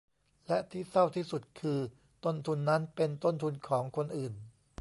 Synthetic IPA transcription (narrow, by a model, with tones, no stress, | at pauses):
lɛ˦˥ʔt̪ʰiː˥˩sa˥˩wt̪ʰiː˥˩su˨˩t̪̚kʰɯː˧ | t̪o˥˩nt̪ʰu˧nːa˦˥npe˧nt̪o˥˩nt̪ʰu˧nkʰɔː˩˦ŋkʰo˧nʔɯː˨˩n